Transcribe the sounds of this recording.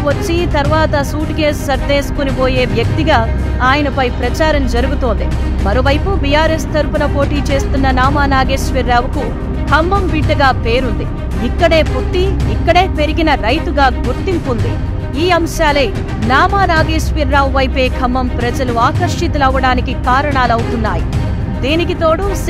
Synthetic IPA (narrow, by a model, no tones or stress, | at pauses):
ɐt͡ʃːit̪ɐɾʋaːt̪ɐsuːʈɡe̞ːssɐɾd̪eːsu̥kuniboːje̞ːʋjɐk̚ʋt̪iɡaː | aːjɐnɐpɐjpɾɐt͡ʃaːɾɐmd͡ʒɐɾuɡut̪oːnd̪i | mɐɾoːʋɐjpubijaːɾe̞ːst̪ɐɾpunɐpo̞ːʈiːt͡ʃe̞ːst̪unːɐnaːmaːnaːɡeːʂʋiɾːaːwuku | kʰɐmːɐmbiʈːɐɡaːpe̞ːɾund̪i | ikːɐɽe̞ːput̪ːiːkːɐɽe̞ːpe̞ɾiɡinɐɾɐjt̪uɡaːɡuɾt̪impund̪i | iːɐmʃaːlɐj | naːmaːnaːɡeːʂʋiɾːaːwʋɐjpe̞ːkʰɐmːɐmpɾɐd͡ʒɐluaːkɐɾʂit̪ɐlɐʋːɐɽaːnikikaːɾɐɳaːlɐwut̪unːaːji | d̪iːnikit̪o̞ːɽus